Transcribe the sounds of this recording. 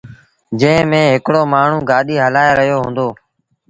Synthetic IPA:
d͡ʒə̃ːmẽːɦɪkɽoːmaːɳ̤ũːɡaːɗiːɦəlaːeɾəɦjoːɦõːnd̪oː

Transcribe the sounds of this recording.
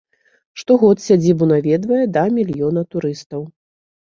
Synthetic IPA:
ʂt̪ɔɣɔt̪sʲad͡zʲibunavʲɛd̪vɐjɛd̪ɐmʲilʲjɔn̪ɐt̪uɾɨst̪ɐw

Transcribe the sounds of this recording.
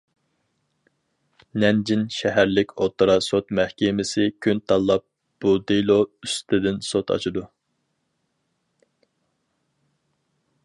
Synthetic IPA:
nɛnd͡ʒinʃɛɦæɾlɪkʲʰot̪ʰɾɑsot̪mæhkʲɪmɪsɪkʲʰynt̪ʰɑlˠːɑp̚ | b̥ud̪elˠoyst̪ʰɪd̪ɪnsot̪ʰɑ̰t͡ʃʰɨd̪u

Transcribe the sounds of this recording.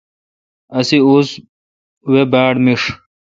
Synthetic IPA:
ɐsiuːs | webaːɽmiʂ

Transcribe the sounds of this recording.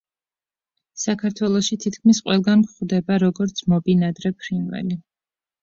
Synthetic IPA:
sakʰaɾt̪ʰwɛlˠɔʃit̪ʰit̪̚ʰkʰmisqʼwɛlˠɡankχd̪ɛbaɾɔɡɔɾt̪sʰmɔbinad̪ɾɛpʰɾinwɛ̰li

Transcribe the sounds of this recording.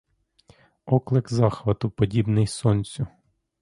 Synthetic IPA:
ɔklˠɪkzɑxʋɐt̪ʊpɔdʲibnɪjsɔnʲt͡sʲʊ

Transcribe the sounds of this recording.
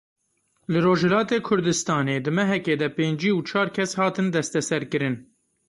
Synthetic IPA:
lɨroːʒhɛlɑːt̪eːkʰʊɾd̪ɨst̪ɑːneːd̪ɨmɛɦɛkeːd̪ɛpeːnd͡ʒiːwt͡ʃʰɑːɾkʲʰɛshɑːt̪ɨnd̪ɛst̪ɛsɛɾkɨɾɨn

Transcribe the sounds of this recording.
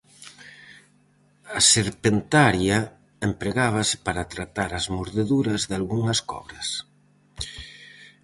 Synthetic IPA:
ɐseɾpent̪aɾjɐ | empɾeɣaβ̞ɐsɪ̥paɾat̪ɾat̪aɾɐzmoɾðeðuɾɐzðalɣuŋɐskɔ̰βɾɐs

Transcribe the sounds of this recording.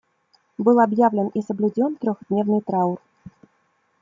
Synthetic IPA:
bɨlˠabjavlʲɪnisəblʲudʲont̪ɾʲoxd̪ʲnʲevnɨjt̪ɾaur

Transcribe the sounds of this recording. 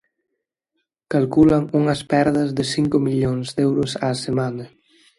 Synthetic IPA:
kalkulɐŋuŋɐspɛɾðɐzðɪsiŋkʊmiʎoŋzðɛwɾʊsaːsemanɐ

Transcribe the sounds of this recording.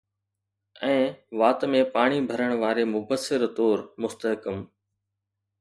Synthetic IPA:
ɛ̃ːʋaːt̪mẽpaːɽ̃ibʱəɾəɽ̃ʋaːɾemʊbəsːɪɾt̪oːɾmʊst̪əɦkəm

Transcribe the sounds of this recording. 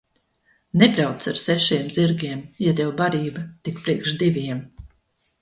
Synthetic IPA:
nɛbɾawt̪saɾsɛʃiɛmziɾɡʲiɛmjat̪ʲɛwbaɾiːbat̪ikpɾiɛkʃd̪ivʲiɛm

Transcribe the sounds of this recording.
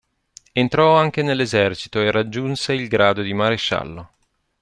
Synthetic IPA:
ent̪ɾɔaŋk̟enelːezɛrt͡ʃi̥t̪oerad͡ʒːunseilɡɾaːd̪od̪imaɾeʃa̰lːo

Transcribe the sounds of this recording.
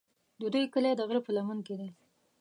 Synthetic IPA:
d̪əd̪ujkəled̪əɣɾəpəlamənked̪e

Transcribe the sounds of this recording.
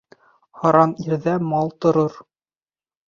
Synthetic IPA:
hɑɾɑniɾðæmɑlˠt̪ŏɾoɾ

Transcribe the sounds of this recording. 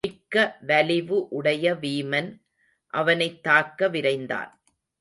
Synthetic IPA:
ɪkːɐʋɐlɪʋɯʔʊɽɐjɐʋiːmɐn | ʔɐʋɐnɐɪt̪ːaːkːɐʋɪɾɐɪnd̪a̰ːn

